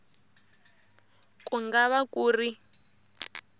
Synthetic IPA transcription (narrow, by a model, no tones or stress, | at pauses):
kuŋɡaβakuːri